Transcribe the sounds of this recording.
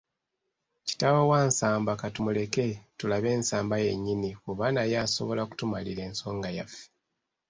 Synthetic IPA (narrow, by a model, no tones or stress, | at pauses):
ci̥taβwowaːnsaːmbakatumule̞ke̞tulaβe̞ːnsaːmbaje̞ɲːiniuβanajaso̞̰βo̞laku̥tumaliɾe̞ːnso̞ːŋɡajafe̥